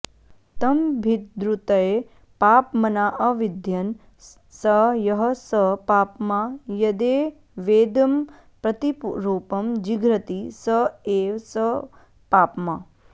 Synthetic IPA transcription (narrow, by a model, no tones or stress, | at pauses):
t̪ɐmbʱit̪̚d̪ɾut̪ɐe | paːpmɐnaːʔɐʋid̪ʱjɐn | sɐjɐɦɐsɐpaːpmajɐd̪eː | ʋeːd̪ɐm | pɾɐt̪ipɾoːpɐmd͡ʒiɡɾɐt̪isɐeːwsɐ | paːpma